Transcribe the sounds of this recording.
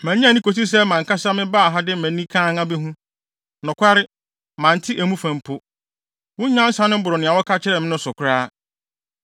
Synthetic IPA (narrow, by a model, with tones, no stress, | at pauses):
mæ̃˨˦ɲ˦ã˦˨nĩ˦ko˨s̬i˦s̬ɛ˦mã˨ŋ˨kʰa˦sa˦mɪ̃˦baː˦˨ɦa˦dɪ˦mæ̃˨˦nĩ˦kʰã˦ŋa˦bɛ˦ɦũ˦ | nʊ̃˨kʷʰa˦ɾɪ˦ | mã˨n˨tʰɪ˦ʔæ˨mũ˦fæ̃˨mpʰʊ˦ | wʊ̃˦ɲã˦n˦sã˦nʊ̃˦bʊ˨ɾɔ˨nɪ̃˨a˨wɔ˦kʰa˦t͡ɕʰɪ˦ɾɛ˨m̃˦nʊ̃˦sʊ˨kʰʷʊ˨ɾaː˦